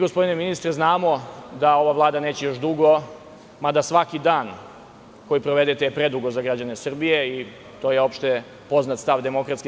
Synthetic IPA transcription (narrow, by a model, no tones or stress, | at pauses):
ɡospo̞d̪ineminist̪ɾeznaːmo̞d̪ao̞ʋaʋlˠaːd̪ane̞ːt͡ɕejo̞ʃd̪uɡo̞ | mad̪asʋakid̪aːn | ko̞jipɾoʋe̞d̪et̪epɾe̞d̪uɡo̞zaɡɾad͡ʑanesr̩bijei | t̪o̞ːjeo̞pʃt̪e | po̞znat̪st̪aʋd̪e̞mo̞kɾat̪ske